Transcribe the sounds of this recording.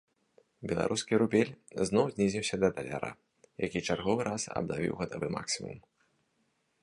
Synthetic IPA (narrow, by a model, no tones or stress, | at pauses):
bʲɛlˠa̰ɾʔuskʲiɾubʲelʲznɔwzʲnʲizʲiwsʲɐd̪ɐd̪ɐlʲaɾʔa̰ | jakʲit͡ʂarɣɔvɨɾʔasɐ̰bnavʲḭwɣɐt̪avɨma̰ksʲimṵm